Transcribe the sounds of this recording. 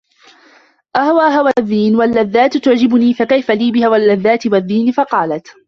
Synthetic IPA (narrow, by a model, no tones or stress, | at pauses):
ʔahawaːɦawaðːiːnwalːaðːaːt̪t̪ʊʕd͡ʒɪbʊniːfakajfaliːbɪhawalːaðːaːt̪ɪwaðːiːnɪfɑqɑːlat̪